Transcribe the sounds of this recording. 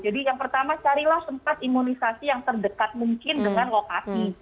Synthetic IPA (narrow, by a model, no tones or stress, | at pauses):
d͡ʒadijaŋpərt̪amat͡ʃaɾilahsəmpat̪̚imunisasijaŋt̪ərdəkat̪̚muŋkɪndəŋanlokasi